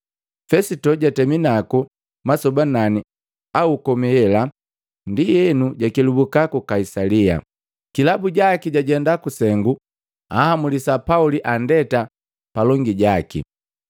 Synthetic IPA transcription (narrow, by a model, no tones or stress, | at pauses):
fɛsitɔɟatɛminaku | masɔbanani | aukɔmihɛla | ndijɛnuɟakilubukakukaisalia̰ | kilabuɟakiɟaɟɛndakusɛŋɡu | ahamulisapauliʔandɛta | palɔŋɡiɟakḭ